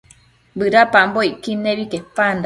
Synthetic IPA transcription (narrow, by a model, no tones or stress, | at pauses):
bɨɾapambojkineβikepand̪a